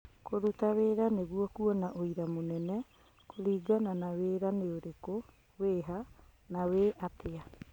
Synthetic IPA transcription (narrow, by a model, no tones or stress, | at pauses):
koɾutaweːɾaneɣuɔkuɔnaʔoiɾamonɛnɛ | koɾiːɡananaweːɾaneoɾeko | weːɦanaweʔatea